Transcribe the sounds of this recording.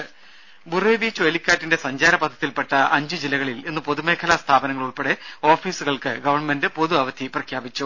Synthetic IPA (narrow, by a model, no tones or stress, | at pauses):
bureːbiːt͡ɕːuʋɐlikʲːaːtːinde̞sɐɲd͡ʑaːɾɐpɐd̪ʰʱːɐ̥t̪ːilpeʈːɐʔɐɲd͡ʑɨd͡ʑilːɐɣɐɭile̞nːɨpoðume̞ːkʰɐlɐst̪ʰaːbɐnɐŋːɐɭuɭpe̞ɽeo̞ːfiːsuɣɐɭkɨɡɐʋɐrɳme̞ndɨpo̞ðuɐʋɐd̪ʰʱiprɐkʰjaːbit͡ɕːu